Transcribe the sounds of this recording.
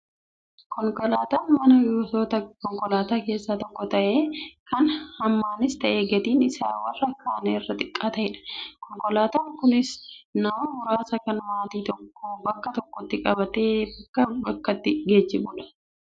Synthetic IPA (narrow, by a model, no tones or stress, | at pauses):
kɔŋkʼɔlaːt̪aːnmɐnɐjoːsoːt̪ɐkɔŋkʼɔlaːt̪aːke̞ːsːat̪ɔkːɔt̪ɐʔe̞ːkɐnhɐmːaːnɪst̪ɐʔeːɡɛt̪iːnɪsaːwɐlːɐkːaːneɪrːɐt̪ʼɪkʼːaːt̪ɐɪᶑɐ̥kɔŋkʼɔlaːt̪aːŋkʊnɪsnɐwɐnʊɾaːsɐkɐnmaːt̪iːt̪ɔkːobɐkːɐt̪ɔkːɔt̪ːɪkʼɐbɐt̪eːbɐkːɐbɐkːɐt̪ːɪɡeːd͡ʒːɪmʊːᶑɐ̥